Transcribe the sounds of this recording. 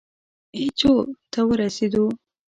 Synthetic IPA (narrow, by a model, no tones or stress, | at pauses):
et͡ʃot̪ʰawəɾased̪u